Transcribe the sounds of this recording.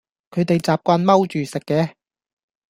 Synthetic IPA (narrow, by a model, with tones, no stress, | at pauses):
kʰɵ˨˧ɥt̪e˨jt͡saː˨p̚kʷaː˧nmɐ˥wt͡ʃyː˨sɪ˨kːɛː˨˧